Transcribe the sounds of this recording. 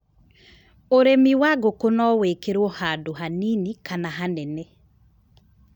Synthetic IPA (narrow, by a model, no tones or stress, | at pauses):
oɾemiwaɡokonɔwekeɾwɔhadoɦaninikanaɦanɛne